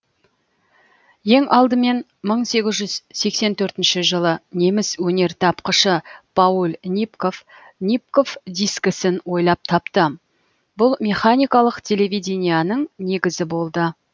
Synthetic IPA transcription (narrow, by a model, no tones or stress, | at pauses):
je̞ŋʔɑlˠd̪əme̞n | məɴse̞ɡʲɪzʒʏz̥se̞kse̞nt̪ʰɵɾt̪ɪnʃɪʒəlˠəne̞mɪswɵne̞ɾt̪ʰɑpqəʃəpʰɑulʲˠnʲipkof | nip̚ko̞fd̪iskʲɪsɪnwo̞jlˠɑp̚t̪ʰɑpt̪ə | bʊlˠmʲe̞χanʲijkɑlˠəqt̪ʲʰe̞le̞vʲijd̪ʲenʲijanəɴne̞ɡʲɪzɪbo̞lˠd̪ə